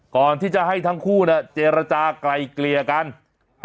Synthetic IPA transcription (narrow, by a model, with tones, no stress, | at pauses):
kɔː˨˩nt̪ʰiː˥˩t͡ɕa˨˩ɦa˥˩jt̪ʰa˦˥ŋkʰuː˥˩na˦˥˩t͡ɕeː˧ɾa˧t͡ɕaː˧kla˧jkli˧ɐka˧n